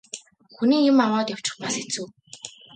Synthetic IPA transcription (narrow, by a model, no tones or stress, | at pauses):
xuniːŋjĕmːaɴʊːt̪jaw̥t͡ɕɪ̆χtpaset͡sŭː